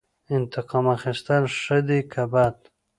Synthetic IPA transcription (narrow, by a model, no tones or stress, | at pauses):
ɪnt̪ɪqɑmaxɪst̪əlʂəd̪ikʰabat̪